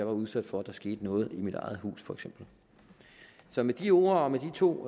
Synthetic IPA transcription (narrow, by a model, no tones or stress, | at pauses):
ɑʋɑ̈uðˠsæd̥fɒ̽æd̥ɑ̈ɐsɡ̥e̝̰ːd̥ənɔ̽ːð̞̩ˠimid̥ɑ̈ɪð̞̩ˠhṵːsfɒ̽eɡ̥sem̰b̥l̩ | sɒ̽med̥io̝̰ːɐɒ̽med̥it͡sʰo̝̰ː